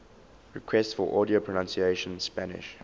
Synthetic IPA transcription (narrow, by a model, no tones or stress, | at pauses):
ɹɪkʰwɛstsfɔʔɔːdiopʰɹənãnsieɪʃə̃nspænɪ̰ʃ